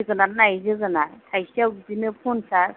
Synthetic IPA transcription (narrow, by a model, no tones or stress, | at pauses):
ɡɯnanajzɯɡɯnatʰajsawdinɯpʰunsa